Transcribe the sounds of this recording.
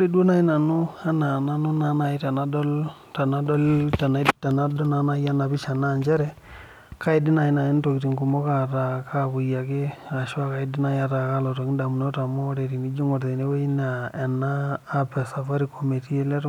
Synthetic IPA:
ɾi˦dwo˦na˦˨i˦na˨nʊ˦a˦na˨na˦nʊ˦na˨˦na˨ɪ˦ta˨na˦dɔ˦l | ta˨na˦dɔ˦lta˨na˨˦ta˨na˦dɔ˦na˦na˦ja˦na˨bɪ˦ʃa˨na˦˨nt͡ʃɛ˦ɾɛ˨ | ka˦ɪ˦dɪ˦na˨ɪ˦na˨ɪ˦n˦to˨ki˨ti˨ŋku˨mɔ˦ka˨ta˨ka˦βʊ˨ja˨kɪ˦a˨ʃwa˦ka˨ɪ˦dɪ˦na˨ja˦˨ta˨ka˦lɔ˨tɔ˨kɪ˦nda˨mu˨nɔ˦ta˨mɔ˦ɾe˨ti˨mi˦d͡ʒi˦ŋɔ˨ɾðe˨ne˦we˦i˦na˨ɛ˨naː˦pɛ˨sa˨fa˦ɾi˦ko˨me˨ti˦e˦lɛ˦t

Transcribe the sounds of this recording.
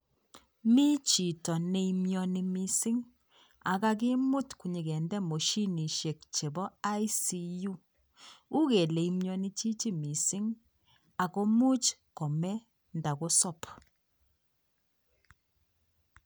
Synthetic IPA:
mi˦t͡ʃi˨tɔ˨ne˨i˦mjɔ˨ni˨mi˨si˦ŋ | a̰˨ɡa˦ɡɪ˦mʊ˦tku˨ɲi˨ɡɛ˨ndɛ˦mo˨ʃi˦ni˨ʃe˨k̚t͡ʃe˨bɔ˦a˦jsi˦ju˦ | u˦ɣe˨le˨i˦mjɔ˦ni˦t͡ʃi˦t͡ʃi˦mi˨si˦ŋ | a˨ko˦mu˦t͡ʃkɔ˨mɛ˦ | nda˨ɡo˦sɔ˦˨p

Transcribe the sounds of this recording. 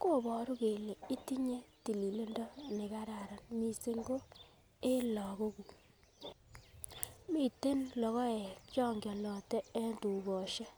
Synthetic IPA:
ko˦˨bɔ˨ɾu˦ke˨le˨i˦ti˦ɲe˦ti˨li˨le˦ndɔ˦nɪ˨ka˦ɾa˨ɾa˨nmi˨se˦ŋɡo˦ | e˦lɔ˨ko˦ku˨ | mi˦˨te˦nlɔ˨ɣɔ˦e˨t͡ʃjɔ˦ŋɡjɔ˨lɔ˨tɛ˦e˦ntu˨bɔ˨ʃe˦

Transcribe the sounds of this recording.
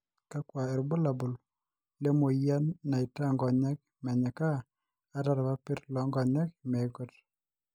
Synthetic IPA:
ka˦kwa˨ɛ˨ɾbo˦la˨bo˨l | le˦mo˨ja˦nːa˨ɪ˨ta˦˨ŋɡɔ˨ɲɛ˦k̚ | mɛ˨ɲa˨kaː˦ | ɾa˨ɾa˨ba˦pɪ˦ɾlɔ˨ŋɡɔ˨ɲɛ˦k̚mɛ˨ɡo˦t

